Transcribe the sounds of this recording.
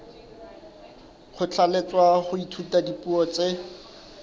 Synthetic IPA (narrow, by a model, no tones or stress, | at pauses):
q͡χʰʊt͡ɬʰalet͡swaχʊitʰutadipuɔt͡se